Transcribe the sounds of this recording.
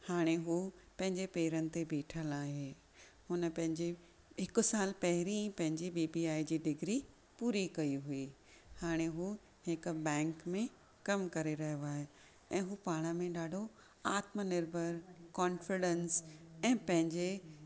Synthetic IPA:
haːɽ̃eɦuːpɐ̃ɦɪ̃ɲd͡ʑepeːɾənɪ̆t̪ebeːʈʰəlaːɦe | hʊnəpɐ̃ɦɪ̃ɲd͡ʑe | ɦɪkʊ̆saːlpɐɦɪɾĩpɐ̃ɦɪ̃ɲd͡ʑibiːbiaːid͡ʑiːɖɪɡɾi | puːɾikɐiɦuiː | haːɽ̃eɦuː | ɦɪkbɛ̃ːŋkmẽ | kɐmkɐɾeɾɐɦjoaːɦe | ɛ̃ːɦuːpaːɽ̃əmẽɗaːɖʱo | aːt̪mənɪɾbʱəɾkɔːnfɪɖə̃nsɛ̃ːpɐ̃ɦɪ̃ɲd͡ʑe

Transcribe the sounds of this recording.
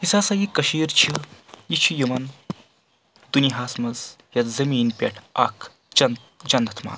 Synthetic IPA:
ɦisaːsajikɐʃiːɾt͡ʃʰijit͡ʃʰijuʋɐn | d̪uniɦaːsmɐz | jɐt̪zɐmiːnpʲɐ̰ʈʰɐ̰kʰ | ɐn | d͡ʒɐnd̪ʱɐt̪ʰma̰ːn

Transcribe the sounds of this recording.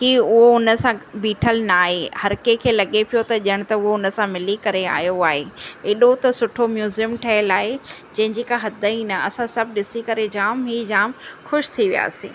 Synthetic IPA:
kiʊɦoʊnə̆sãbiːʈʰəlnaːɦehɐɾkekʰeːlɐɠepijot̪ɐʄəɽ̃t̪ɐʊɦoʊnə̆sãmɪlikɐɾea̰ːjoaːɦeeːɗot̪ɐsʊʈʰomjuːzijəmʈʰɐɦəlaːɦed͡ʑɐ̃ɦɪ̃ɲd͡ʑikaɦɐd̪ʱəinɐɐsãsɐb̚ʱɗɪsikɐɾed͡ʑaːmɦiːd͡ʑaːmxʊʃt̪ʰiʋija̰ːsḭ̃ː

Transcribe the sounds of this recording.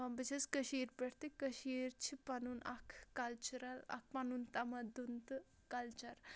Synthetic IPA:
bɐt͡ʃʰɐskɐʃiːɾpɐɽt̪ikɐʃiːɾt͡ʃʰipɐnunɐkʰkɐlt͡ʃuɾɐlɐ̰k̚ʰpɐnunt̪ɐmɐd̪unt̪ɨ | kɐlt͡ʃɐɾ

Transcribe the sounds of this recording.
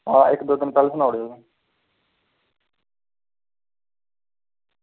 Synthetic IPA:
ãːɪkd̪oːt̪ɪnt̪əlsənaːʊɽoːe

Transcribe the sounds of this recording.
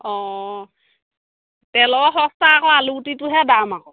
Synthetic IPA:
ɔ | tɛlɔɔɦɔstaːkɔaluutituɦɛdama

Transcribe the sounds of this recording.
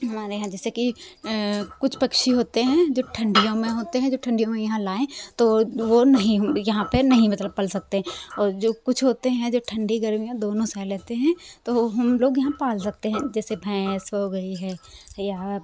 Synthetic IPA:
ɦɐmaːɾejɐɦãd͡ʒɛːseki | kʊt͡ʃʰpɐkʃiɦoːt̪eɦɛ̃d͡ʒoːʈʰɐ̃ɳɖijõmẽɦoːt̪eɦɛ̃d͡ʒoːʈʰɐ̃ɳɖijõmẽjɐɦãlaːẽt̪oʋonɐɦĩɦɐmjɐɦãpɐnɐɦĩmɐt̪ləb̚pɐlsɐk̚t̪eɦɛ̃ɔːɾd͡ʒoːkʊt͡ʃʰɦoːt̪eɦɛ̃d͡ʒoːʈʰɐ̃ɳɖiɡɐɾmijãd̪oːnõsaːleːt̪eɦɛ̃t̪oɦɐmloːɡjɐɦãpaːlsɐk̚t̪eɦɛ̃d͡ʒɛːsebʱɛ̃ːsɦoːɡɐiɦɛːjaː

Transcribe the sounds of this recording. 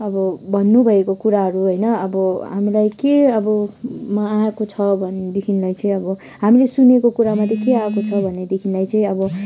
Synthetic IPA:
ʌbʌbʱʌnːubʱʌekokuɾaɦʌɾuɦʌjnʌʌbʌɦamilajkeʌbʌmʌaekot͡sʰʌbʱʌned̪ekʰinlajt͡sʌĩʌbʌ | ɦamilesunekokuɾamat̪ʰeikeaekot͡sʰʌbʱʌnːed̪ekʰinlajt͡sʌĩʌbʌ

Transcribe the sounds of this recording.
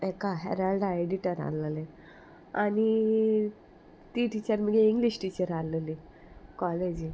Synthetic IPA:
ekaɦɛ̰ɾalɖaeɖiʈəɾa̰ləle | ani | t̪iʈit͡ɕəɾməɡeiŋɡliɕʈit͡ɕəɾaleli | kɔled͡ʑi

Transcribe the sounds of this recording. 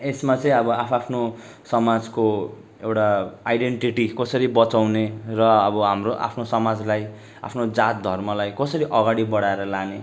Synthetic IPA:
esmat͡sʌĩʌbʌapʰapʰno | sʌmad͡zko | ewʈaajɖeɳʈiʈikʌsʌɾibʌt͡sawnerʌʌbʌɦamroʔa̰pʰnosʌmad͡zlaj | a̰pʰnod͡zat̪̚d̪ʱʌrmʌlajkʌsʌɾiʔʌɡaɽibʌɽaeɾʌlane

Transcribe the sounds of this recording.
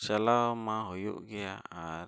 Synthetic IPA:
salamaɦojṵʔɡeaa

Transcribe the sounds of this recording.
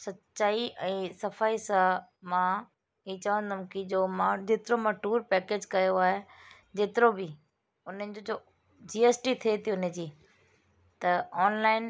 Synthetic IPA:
sɐtt͡ɕaːiʔɛ̃ːsɐfaːisãmãː | iːt͡ɕɐʋə̃nd̪ɐʊmkɪd͡ʑoːmãd͡ʑeːt̪ɪɾomãʈuːɾpɛːkeːd͡ʑkɐjoaːɦe | d͡ʑeːt̪ɪɾobɪ | ʊn̤ənɪ̆d͡ʑod͡ʑoː | d͡ʑiːeːsʈit̪ʰiet̪ʰiʊnəd͡ʑiː | t̪ɐɔːnlaːɪn

